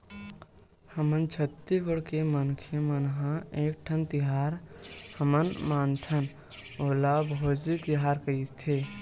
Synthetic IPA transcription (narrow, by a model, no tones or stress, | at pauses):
həmənt͡ʃʰət̪ːibəɽkemənkʰemənɦãeːk̚ʈʰənt̪iɦaɾhəmənmaːnt̪ʰən | oːlabʱoːd͡ʒit̪iɦaːɾkəit̪ʰe